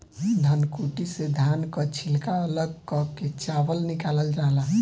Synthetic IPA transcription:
d̪ʱankuʈised̪ʱankət͡ʃʰilkaələɡ̚kɔket͡ʃabəlnikaləld͡ʒaɦla

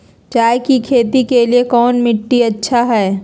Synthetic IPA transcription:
t͡ʃaːjkikʰeːt̪ikeliekɔːnmɪʈːiɐtːʃʰaɦɛː

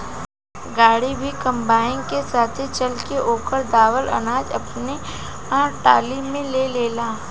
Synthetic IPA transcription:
ɡaːɽibʱikɐ̃mbaːɪ̃nkesaːt̪ʰet͡ʃɐlkeʔoːkəɾd̪aːʋəlɐ̰naːd͡ʒɐpne | ãːʈaːlimẽleleːlaː

